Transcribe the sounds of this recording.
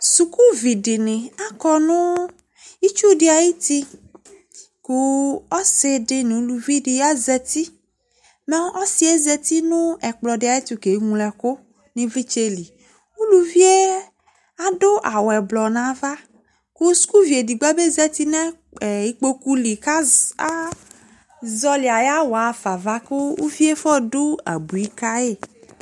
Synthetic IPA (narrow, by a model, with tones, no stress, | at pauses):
su˨ku˦vi˨ɖɪ˨nɪ̃˨a˦kɔ˦nũ˦ | i˦t͡ʃu˦ɖe˨a˨ji˦t̪i˦ | ku˦ɔ˦se˨ɖɪ˨n˨u˦lu˨vi˦di˨ja˦zɛ˨t̪i˦ | mɛ˦ɔ˦si˦e˦zɛ˨t̪i˦nũ˦ɛ˨k͡plɔ˨dɪ˨a˨je˦t̪u˨ke˨˦ŋũ˦lɛ˨ko˦ | nĩ˦vli˦t͡ʃe˦li˨ | u˦lu˦vi˦e˦ | a˦ɖo˦ʔa˨wɛ˨blɔ˨nã˨˦va˦ | ko˦su̥˦ku˦vi˨e˨di˨ɡ͡bɛ˦be˦zɛ˦t̪i˦nɛ̃˦˨ | i˦k͡po˦ku˦li˨ka˦a˦ | zɔ˦li˨a˨ja˦wɔ˨a˨fa˨va˦ke˦wu˦vi˦e˦fɔ˦ɖo˦a̰˨bu˨i˦ka˦e˦˨